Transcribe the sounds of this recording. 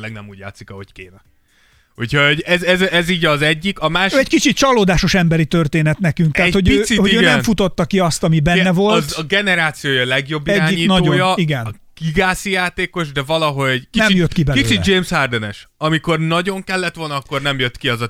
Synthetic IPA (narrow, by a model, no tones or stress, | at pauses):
lɛɡ̚nɛmuːɟja̰ːt̪sikɒɦo̞ckeːnɛ | hucho̞ɟɛzɛzɛziːɟɒzɛɟːikɒmaːʃɛɟkit͡ʃit̪̚t͡ʃɒloːd̪aːʃo̞ʃɛmbɛɾit̪ørt̪eːnɛt̪nɛkyŋkt̪aːtho̞ɟøhoøːnɛnfut̪o̞t̪ːɒkiɒst̪ɒmibɛnːɛvo̞ltzɡɛnɛɾaːt̪sijoːjɒlɛɡjo̞bːiɛɟaːiɲitnɒoɟoːjɒiɡɛn | kiɡaːsijaːt̪eːko̞ʒd̪ɛvɒlɒɦo̞ɟnɛmjøt̪ːkibɛisiːd͡ʒeːmshard̪ɛnɛʃɒmiko̞rnɒɟo̞ŋkɛlːɛt̪ʋo̞lnɒɒkːo̞rnɛmjøt̪kiɛzɒ